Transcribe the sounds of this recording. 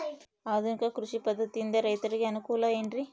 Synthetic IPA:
ɐðɯŋkaːkɾʊʂipɐd̪ʱːɐt̪ind̪ɐɾɐjt̪ɐɾkiɐnɯkulaːenɖɾi

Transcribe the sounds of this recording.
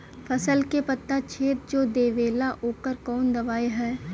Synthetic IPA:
fʰɐsəlkepɐt̪ːat͡ʃʰeːt̪̚d͡ʒoːd̪eːʋeːlaʔoːkəɾkɔːnd̪ɐʋaːeɦɛː

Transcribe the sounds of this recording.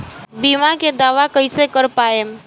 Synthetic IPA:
biːmaked̪aːʋakəɪsekəɾpaːe

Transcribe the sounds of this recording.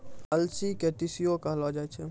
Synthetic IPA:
əlsikeʈisijokəɦlɔd͡ʒat͡ʃʰɛ

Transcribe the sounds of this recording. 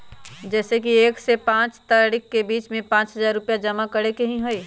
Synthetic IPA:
d͡ʒɛːsekieːksepãːt͡ʃt̪aːɽɪkːebiːt͡ʃmẽpãːt͡ʃɦɐzaːɾːʊpjad͡ʒɐmakɐɽekɐɦĩɦoiː

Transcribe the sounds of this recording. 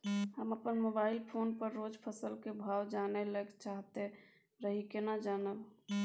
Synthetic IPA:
həməpənmobaɪlpʰonpəɾːod͡ʒpʰəsəlkebʱawd͡ʒanɛləkt͡ʃaɦt̪e | ɾəɦikenad͡ʒanəb

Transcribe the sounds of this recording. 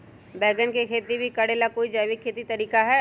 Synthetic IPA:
bɛːɡənkekʰeːt̪ibʱikɐɽeːlakoːid͡ʒajʋikʰːeːt̪it̪ɐɾiːkaɦɛ

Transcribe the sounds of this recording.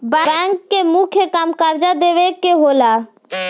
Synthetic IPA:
bɛbɛ̃ːŋkːemukʰjekamkəɾd͡ʒad̪eːʋekeɦoːlaː

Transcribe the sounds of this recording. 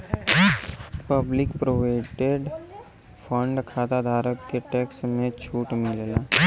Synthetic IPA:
pəblɪkpɾoʋaɪʈeɖ | fʰə̃ɳɖkʰaːd̪ad̪ʱaːɾəkkeʈeːksmẽt͡ʃʰuːʈmɪllaː

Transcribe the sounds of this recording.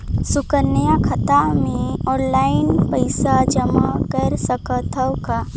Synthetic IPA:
sʊkəɾnəjakʰət̪amẽɔːnlaːɪnpəɪsad͡ʒəmakəɾsəkt̪ʰəwka

